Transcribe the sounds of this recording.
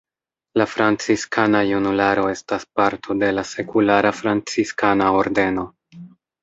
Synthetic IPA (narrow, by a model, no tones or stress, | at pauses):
lafɾant͡siskanajunulaɾo̞e̞staspaɾtʰo̞de̞lase̞kulaɾafɾant͡siskanao̞ɾde̞no̞